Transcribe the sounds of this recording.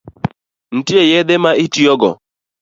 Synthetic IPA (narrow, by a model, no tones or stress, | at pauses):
n̩tiejɛd̪emaʔitiɔɡɔ̰